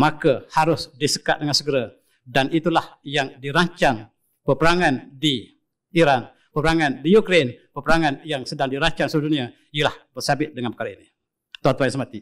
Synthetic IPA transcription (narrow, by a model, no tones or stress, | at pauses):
makahaɾʊsdisə̥ka̰ʔ̪̚dəŋansəɡəɾa | danit̪ulahjaŋdiɾaɲt͡ʃaŋ | pəpəɾaŋandi | iɾan | pəpəɾaŋandijukɾenpəpəɾaŋanjaŋsədaŋdiɾaɲt͡ʃaŋsudunia | ijəlahb̥ərsabɪt̪̚dəŋanpə̥kaɾaini | t̪uant̪uajaŋsəmat̪i